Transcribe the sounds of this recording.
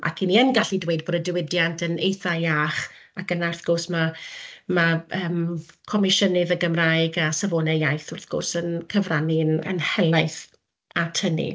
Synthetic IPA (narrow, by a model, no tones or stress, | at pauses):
ʔa̰kʰiniənɡaɬidwejd̚boːdədɪwɪdjantʰənejθaaːχ | akənarθɡ̥ʊrsmamaəːm | kʰɔmɪʃənɨðəɡəmrajɡasavoːnɛjajθʊrθɡ̥ʊ̰rsənkʰəvraninə̰nhɛlaɨθ | atʰənḭ